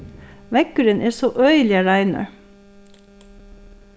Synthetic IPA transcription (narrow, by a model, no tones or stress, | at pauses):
ʋɛkʉɾənʔeːsoːʔœʏlɪɑɾæɪnə̰ɹ